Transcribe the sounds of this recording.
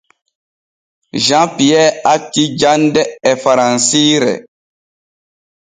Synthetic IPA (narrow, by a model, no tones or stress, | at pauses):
ʒãpijɛakːid͡ʒandɛɛfaɾãnsiɾɛ̰